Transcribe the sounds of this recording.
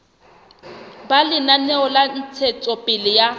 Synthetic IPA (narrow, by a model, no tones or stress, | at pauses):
balɪnanɛɔlan̩t͡sʰɛt͡sʼɔpʼɪlɪja